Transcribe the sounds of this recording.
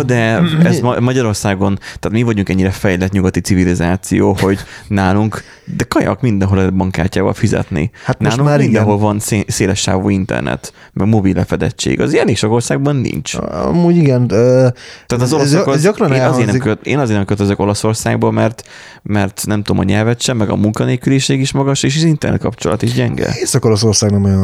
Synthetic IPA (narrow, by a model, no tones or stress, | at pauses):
d̪ɛɛzmmɒɟɒɾo̞rsaːɡo̞nt̪aːt̪mivɒɟuŋkɛɲːiɾɛfɛjlɛt̪ɲuɡɒt̪it̪sivilizaːt̪sijoːho̞ɟnaːluŋk | d̪ɛkɒjɒ̰kmind̪ɛnɦo̞lɛbɒŋkaːcaːvɒ̰lfizɛ̰t̪nḭhat̪ːʃːluŋːind̪ɛ̃ɦo̞lvɒnseseːlɛʃːa̰ːvo̰ːint̪ɛ̰rnɛ̰t̪ | mɛɡmobilːɛfɛd̪ɛt͡ʃːḛːɡɒ̰zɛneːkʃɒko̞rsaːɡ̚bɒnːḭnt͡ʃɒ̰muːɟiɡɛnːt̪ɛaːt̪ɒzolɔsɒkɾɒneːnɒzeːɾnɛmkøeːnɒzeːrnɛmkøt̪øzøko̞lɒso̞rsaːɡ̚bomɛrt̪ | mɛrt̪nɛmt̪ud̪omɒɲɛlvɛt̪ʃɛmːɛɡɒ̰muŋkɒneːkyliʃeːɡiʃmɒɡɒʃeːʃ̬ɛzint̪ɛrnɛ̰t̪̚kɒpt͡ʃolɒt̪iʒɟɛŋɡɛ̰eːsɒkoloso̞rsaːɡnɛmojn